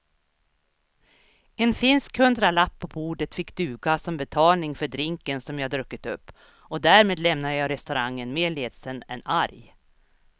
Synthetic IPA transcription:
ɛnfɪnskhɵnd̪ɾalapʰːɔbuːɖət̪fɪkːd̪ʉ̟ːɡasɔmbɛt̪ʰɑːlnɪŋfœɖɾɪŋkənsɔmjɑːad̪ɾɵkːət̪ɵpː | ɔd̪æɾmeːd̪lɛmnad̪əjɑːɾɛst̪ɵɾaŋːənmeːɭeːd̪sənɛ̰naɾj

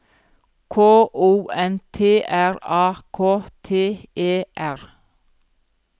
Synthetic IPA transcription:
kʰoːʔuːɛnt̪ʰeːʔæɾɑːkʰoːt̪ʰeːʔeːʔæɹ

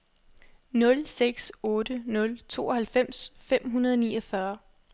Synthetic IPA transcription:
nɔ̽lseɡ̥sɔ̽ːd̥ənɔ̽lt͡sʰo̝̰ːɒ̽hælfem̰sfem̰ɦunɐð̞ˠɒniːɒfɶɐ

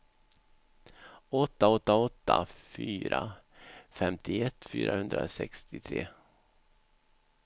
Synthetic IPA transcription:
ɔt̪ːaɔt̪ːaɔt̪ːafyːɾa | fɛmt̪ɪɛt̪ːfyːɾahɵnd̪ɾa̰sɛkst̪ɪt̪ʰɾḛː

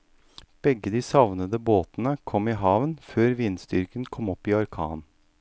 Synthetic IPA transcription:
b̥ɛɡːəd̪iːsɑʋnəd̪əboːt̪nəkʰɔmiːɦɑːʋənføːɾʋiːnst̪ʏɾkənkʰɔmɔpːiːɔɾkʰɑ̰ːn

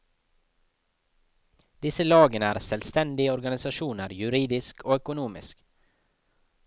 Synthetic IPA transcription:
d̪̥ɪsəlɑːɡənəæːɾsɛlst̪ɛnd̪ɪəɔɾɡɑnɪsɑʃuːnəɾjʉɾiːd̪ɪskʰoːœkʊnuːmɪ̰sk

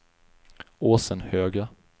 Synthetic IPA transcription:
oːsənhøːɡɾa

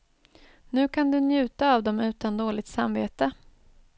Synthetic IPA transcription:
nʉ̟ːkʰand̪ɵnjʉ̟ːt̪aːvd̪ɔmʉ̟ːt̪and̪oːlɪt̪samvḛːt̪ə

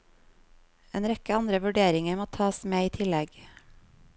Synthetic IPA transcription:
eːnɾɛkəɑnd̪ɾəʋʉɖeːɾɪŋəɾmoːt̪ʰɑːsmeːiːt̪ʰɪlɛɡ

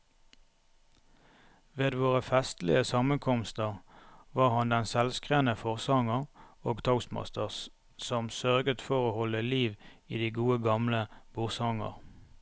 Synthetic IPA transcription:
ʋeːd̪ʋoːʁəfɛst̪lɪ̰əsɑmənkʰɔmst̪əʁʋɑːʁhɑnd̪ɛnsɛlskʁeːnəfɔʁsɑŋəʁoːɡt̪ʰɑʊsmɑ̰st̪əʁs | sɔmsœʁɡət̪fɔʁoːhɔləliːʋiːd̪iːɡuːəɡɑmləb̥ʊʁsɑŋə̰ʁ

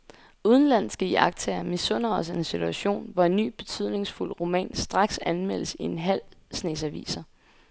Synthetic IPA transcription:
uð̞ˠən̩læn̰sɡ̥əjɑ̰̈ɡ̥̚t͡sʰæɐmisɔ̽n̰ɐɒ̽s̬əensit͡sʰuæɕo̝̰ːnʋɒe̝nːy̰ːb̥e̝̥t͡sʰyð̞̰ˠne̝ŋsful̰ʁo̝mɛ̰ːnsd̥ʁɑ̈ɡ̥sænmel̰əsie̝nɦæl̰snḛːsæʋḭːsɐ

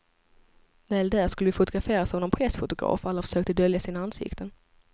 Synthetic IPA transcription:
vɛːld̪æːʂkɵlːəvɪfʊt̪ʊɡɾafeːɾasɔnɔmpʰɾɛsfʊt̪ʊɡɾɑ̰ːfalːafœ̥ʂøːk̚t̪əd̪œljasiːnaansɪ̰kt̪ʰən

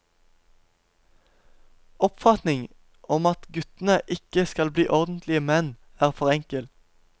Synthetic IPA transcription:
ɔpfɑt̪nɪŋ | ʔɔmɑt̪ɡʉt̪n̩əʔɪkəskɑlbliːʔɔʁd̪n̩t̪ʰlɪəmɛn | æːʁfɔʁɛŋkəl

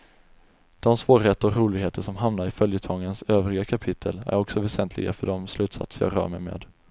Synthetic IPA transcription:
d̪̥ɔmsvoːɾhɛt̪ːəɔkɾuːlɪɡheːt̪əʂɔmɦamnaɾɪfœljət̪ʰɔːɡənsøːvɾɪɡakʰapʰɪt̪ʰːəlæ̰ɾɔksɔvɛsɛnt̪ʰlɪ̰ɡa̰fœɖɔmslʉ̟ːt̪sa̰t̪səɾjɑ̰ːɡɾœ̰ːɾmɛ̰jmḛːd̪

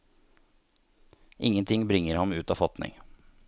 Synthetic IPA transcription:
ʔɪŋːənt̪ʰɪŋbɾɪŋːəɾhɑmʉːt̪ɑːfɑt̪nɪ̰ŋ

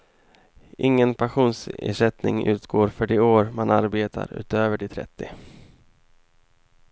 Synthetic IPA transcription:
ʔɪŋːənpʰaɧuːnsḛːʂɛt̪nɪ̰ŋʉ̟ːt̪ɡoːɾfœɖɪoːɾmanaɾbeːt̪ʰa̰ɾʉ̟̰ːt̪øːvəɖɛt̪ʰɾɛ̰t̪ʰːɪ

